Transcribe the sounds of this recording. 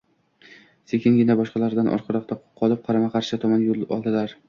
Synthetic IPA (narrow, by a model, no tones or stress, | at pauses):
se̞kʲʰɪnɡʲɪnabɒʃqɑlˠaɾd̪anʔɒ̰ɾqʰɑɾɒqt̪aqʰɒlˠɪp̚qʰɑɾamaqʰɑɾʃɪt̪ʰɒmanjolˠɒ̰lˠd̪ɪlaɾ